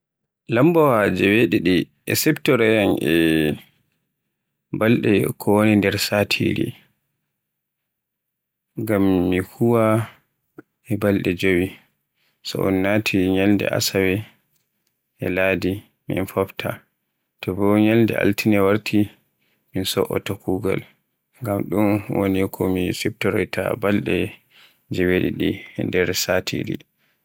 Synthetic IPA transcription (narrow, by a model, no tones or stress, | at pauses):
lambɔwad͡ʒɛweɗiɗi | ʔɛ̰sɛbtɔɾɛjanʔɛ | balɗɛ̰kʰɔwonindɛɾsatʰḭɾḭ | ɡamːihuwa | ɛbalɗɛd͡ʒowi | sɔ̰ʔɔ̰nːatʰiɲɛldɛ̰ʔa̰sawɛ | ʔɛlaːdi | mḭnfɔftʰa | tɔbɔɲɛldɛ̰ʔa̰ltinɛwaɾtʰi | minsɔʔɔ̰takuɡa̰l | ŋɡamɗunwonikʰɔmisɛb̚tɔɾɔjtʰa̰balɗɛ | d͡ʒɛweɗḭɗindɛɾsatʰḭɾḭ